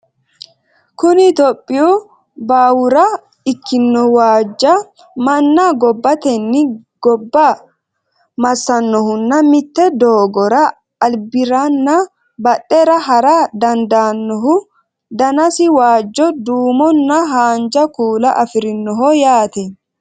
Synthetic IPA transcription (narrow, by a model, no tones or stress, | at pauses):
kʊnɪt̪ɔpʼːɪjuː | baːwʊɾɐ | ɪkːɪnːɔwaːd͡ʒːɐ | mɐnːɐɡɔbːɐt̪ɛnːɪɡ̥ɔbːɐ | mɐsːɐnːɔhʊnːɐmɪt̪ːɛd̪oːɡɔɾɐː | lbɪɾanːɐ | bɐɗʼːɛɾɐɦɐɾad̪ɐnd̪aːnːɔɦʊ | d̪ɐnɐsɪwaːd͡ʒːɔd̪uːmɔnːɐɦaːnd͡ʒɐkuːlɐʔɐfɪɾɪnːɔɦɔjaːt̪ɛ